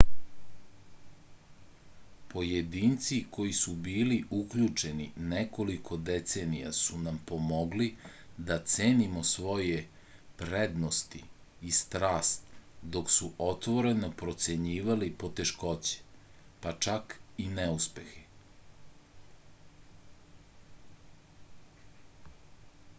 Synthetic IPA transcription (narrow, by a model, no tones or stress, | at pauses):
po̞jed̪iːnt̪siko̞jisubiːliʔukʎut͡ʂe̞nineko̞likʰo̞d̪et̪se̞ːnija̰sunampo̞moɡlid̪at̪seːnimo̞sʋo̞je | pɾed̪nost̪i | ist̪ɾaːst̪d̪o̞ksuʔot̪ʋo̞ɾenopɾo̞t̪seɲiːʋalipo̞t̪eʃko̞t͡ɕe̥pat͡ʃakineuspexe